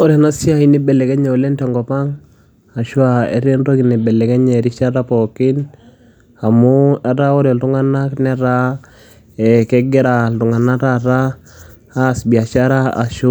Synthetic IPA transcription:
ɔ˦ɾa˨na˦si˦a˦i˦ni˦bɛ˨lɛ˨kɛ˦ɲɛ˨ɔ˨lɛ˦ntɛ˨ŋɡɔ˨pa˦ŋ | a˨ʃu˦a˨ḛ˦ɾe˦nɾo˦ki˨nɛ˨bɛ˨lɛ˨kɛ˦ɲɛ˨ɾi˦ʃa˦ɾa˦pɔ˨kɪ˦n | a˨mu˦ɛ˦ɾa˦o˦ɾɔ˨ltu˦ŋa˦na˦knɛ˦ɾa˦ | ɛ˨kɛ˦ɡɛ˦ɾa˨ltu˨ŋa˨na˦ɾa˦ɾaː˦˨ | sbi˨a˨ʃa˦ɾa˦a̰˨ʃu˦

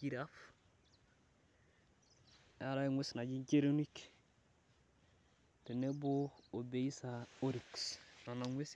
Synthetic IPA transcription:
i˦ɾa˦f | ja˦ɾa˦ŋwe˦sna˨ɟi˦ɲce˦ɾo˦ni˦k | te˨ne˦bo˦o˨be˨i˦sa˨o˦ɾi˨ksna˨na˨ŋwe˦s

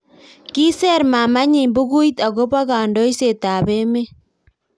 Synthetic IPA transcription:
ki˦sɛ˦ɾma˨ma˦ɲi˨mbu˦ɣu˦i˦ta˨ɣo˦βa˦ɣa˨ndɔ˦i˦se˨ta˨βe˦me˦

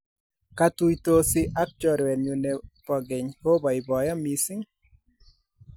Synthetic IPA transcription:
ka˦tu˦jto˦sɪ˦ʔa˦k̚t͡ʃɔ˦ɾwɛ˨ɲu˨ne˨pɔ˨ɡe˨ɲho˦ba˨ɪ˨bɔ˨jɔ˦mi˨sɪ˦ŋ

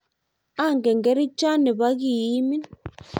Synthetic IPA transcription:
a˦˨ŋɡɛ˨ŋɡɛ˨˦ɾi˦t͡ʃʼa˦ni˨βa˦k̬i˨i˦mi˦n

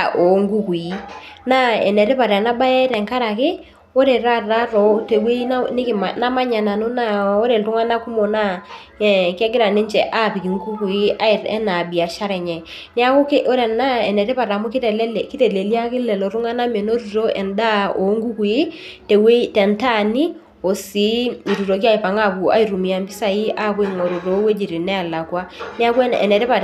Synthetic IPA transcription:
o˨˦ŋɡu˦ku˨i˦na˦ɛ˨nɛ˨ɾɪ˦pa˨ɾɛ˨na˦ba˦ɛ˦tɛ˨ŋka˦ɾa˨kɪ˦ | wo˦ɾe˨ɾa˦ra˦ɾɔ˨te˨we˦i˦nɪ˦kɪ˨m˨na˦ma˦ɲa˨na˨nʊ˦na˦o˦ɾe˨ltʊ˦ŋa˦na˦ku˦mo˨na˦˨ | kɛ˦ɡɪ˦ɾa˨nɪ˦ɲt͡ʃɛ˨ʔa˦˨pi˨ki˨ŋɡu˦ku˨i˦ʔa˦ɪ˨ɾɛ̰˦na˨bi˨a˨ʃa˦ɾɛ˨ɲɛ˨ | ni˦a˦ku˦ke˦ʔo˦ɾɛ˨na˦ɛ˨nɛ˨te˦pa˨ɾa˨mu˦ki˦tɛ˨lɛ˦lɛ˨ki˦tɛ˨le˨lja˦kɪ˦lɛ˨lɔ˨ɾu˦ŋa˦na˦me˨no˦ɾu˨ɾo˦ɛ˨nda˦o˨˦ŋɡu˦ku˨i˦ | te˨we˦tɛ˨nta˦ni˦ | o˨si˨˦i˨ɾu˨ɾo˨k̬i˦a˦i˨pa˨ŋa˦pu˨a̰˦i˨ɾu˨mi˨a˨mbi˦sa˨i˦a˦˨pe˦˨ŋo˨ɾo˨ɾo˨˦we˦d͡ʒi˨ɾi˨nɛ˦a˨la˨kwa˦n˦a˦kwɛ˦ɛ̰˨nɛ˨tɛ˦pa˨

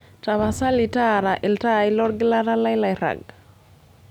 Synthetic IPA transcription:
ta˨βa˨sa˦li˨ta˦ɾa˨ʔɪ˨lta˦i˦lɔ˦ɾɡɪ˦la˦ɾa˦la˦jla˨jɾa̰˨ɡ

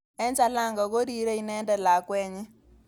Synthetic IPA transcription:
ɛ˦ɲt͡ʃa˦la˦˨ŋɡa˨ko˦ɾi˨ɾe˦i˨nɛ˦ndɛ˨la˨kwɛː˦ɲɛ˦

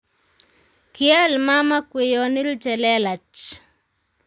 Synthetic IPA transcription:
kɪɛ˦lma˦ma˦kwe˨jɔ˨nɪ˦lt͡ʃɛ˨lɛ˦la˨t͡ʃ

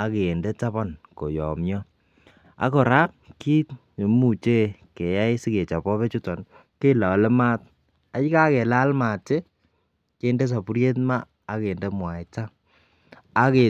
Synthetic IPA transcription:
a˦keː˨nde˦ta˦bɔ˦nko˨jɔ̰˨mjɔ˦ | a̰˨˦kɔ˨ɾa˦k̚ki˦˨ | mu˨t͡ʃe˦ke˨ja˦jsi˦ke˨t͡ʃa˨pɔ˦pɛ˦t͡ʃu˦tɔ˨n | ke˦lɔ˨lɛ˦ma˦t̚ | a˨t͡ʃi˦ka˦ke˨la˦lma˨te˦ | ke˨nde˦s̬a˨pu˦ɾje˦tmaː˦˨˦ | ke˨nde˦mwa˨jta˦ | a˦ke˨

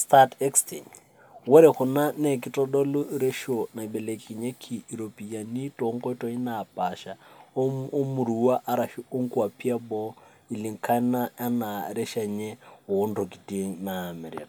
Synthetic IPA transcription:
stʰatʰɛ˦kstʰi˨ŋ | wɛ˦ɾɛhʊ˨na˦ne˨kʼɪ˦tʼɔ˦dɔ˦lʊ˦ɾe˦ʃo˨na˨i˨bɛ˨le˨kʼi˨ɲɛ˦kʰi˨i˨ɾo˨pʼi˨ja˨ni˦tʼɔ˨ŋkɔ˦i˦tʼɔ˦i˦na˨pʼa˨ʃa˨˦ | o˦mʊ˨ɾuwa˦ʔa˦ɾa˨ʃi˦o˦ŋ̩˦kʼu˦a˨pʰi˦a˦bɔ˦ | i˨li˨ŋ̩˨kʰa˦na˦a˦na˨ɾɛ˦ʃa˨ɲɛ˦wo˨˦n̩˦do˨kʼi˨tiŋnaː˨mɛ˨ɾḭ˨ka

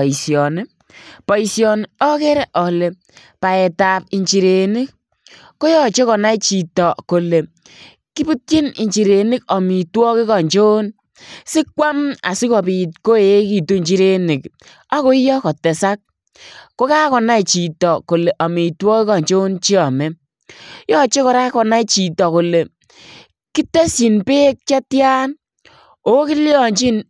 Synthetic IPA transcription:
i˨sjɔ˨nɪ˦ | pɔ˨i˨sjɔ˨nɔ˦kɛ˦ɾɛ˦ʔɔ˨le˨ | pa˨ɛ˨ta˨p̚i˨ɲt͡ʃi˨ɾe˨ni˦k̚ | ko˦jɔ˦t͡ʃe˦kɔ˨na˦i˦t͡ʃi˨tɔ˨ko˨le˨ | ki˦bu˦tji˦ni˨ɲt͡ʃi˨ɾe˨ni˦kɔ˨mi˨twɔ˦kɪ˦kɔ˨ɲt͡ʃo˦n | sɪ˦kwa˦ma̰˨si˦kɔ˨pi˨tko˦e˦ki˨tu˦ɲt͡ʃi˦ɾe˦ni˨k | a˦ko˦jɔ˦kɔ˨tɛ˨sa˦k̚ | ko˦ka˦kɔ˨na˦i˨t͡ʃi˨tɔ˨ko˨le˨ʔɔ˨mi˨twɔː˦ki˦kɔ˨ɲt͡ʃo˦nt͡ʃi˦ɔ˨mɛ˦ | jɔ˦t͡ʃe˦kɔ˨ɾa˦kɔ˨na˦i˨t͡ʃi˨tɔ˨ko˨le˨ | ki˦te˦si˨npeː˦k̚t͡ʃa˦tja˦n | o˦ki˦ljɔ˨ɲt͡ʃi˦n

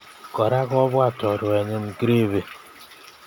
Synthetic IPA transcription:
kɔ˨ɾa˦kɔ˦βwa˦˨tɔ˨ɾʊ˨e˨ɲɪ˦m̩˦kɾe˦βe˨

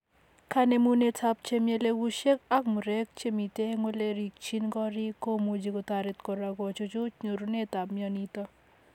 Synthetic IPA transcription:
kʰa˦ne˨mu˦ne˦tʰap̚t͡ʃemje˦le˦ɡu˦ʃe˦ka˦k̚mʊ˨ɾɛ˦k̚t͡ʃe˦mi˨te˦ŋo˦le˦ɾi˨k̚t͡ʃʰi˦nkɔ˦ɾi˦ko˦mo˨d͡ʒikot̪aɾɪt̪kɔ˨ɾaɡɔ˨t͡ʃot͡ʃo˦t͡ʃɲo˨ɾune˦t̪a˨p̚mjɔnit̪ɔ˦

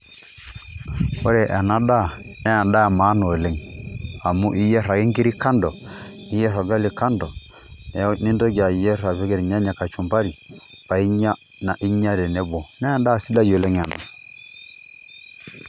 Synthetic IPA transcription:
o˦ɾɛ˨ʔa˨na˦da˦˨nɛ˦a˨nda˦a˨ma˨˦nɔ˨o˨le˦ŋa˨mu˦ʔi˦jɛ˦ɾa˨ɡi˦ŋɡi˦ɾi˦ka˦ndɔ˨ | i˦jɛ˦ɾɔ˨ɡa˦li˨ka˦ndɔ˨nɛ˨˦ni˦ndo˦ɡa˨i˨jɛ˦ɾa˨βɛ˦ɡe˨ɾɲa˦ɲa˨ka˨t͡ʃu˨mba˦ɾi˨ | pa˨i˦ɲa˦ | na˨ʔi˦ɲa˦ɾɛ˨nɛ˦bɔ˨nɛ˦a˨nda˦˨si˦la˦d͡ʒo˨le˦ŋa˨na˨

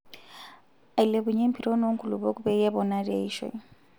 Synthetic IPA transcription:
a˨i˨le˨buɲe˦m̩pʰi˦ɾo˦no˦ŋ̩˦kʰʼu˨lṵ˨bo˦kʼu˦bɛ˦jɛ˦bɔna˦riḛ˨i˦ʃɔ̰˨

